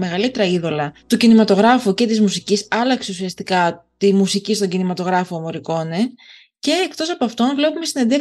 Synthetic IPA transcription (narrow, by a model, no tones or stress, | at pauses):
me̞ɣɐlit̪e̞ɾɐiðo̞lɐt̪ucinimɐt̪o̞ɣɾɐfuce̞t̪izmusicisɐlɐkse̞usiɐst̪ikɐt̪imusicist̪o̞ɲɟinimɐt̪o̞ɣɾɐfo̞mo̞ɾiko̞ne | ce̞ːkt̪o̞sɐpoɐft̪o̞nvle̞pumesine̞nd̪e̞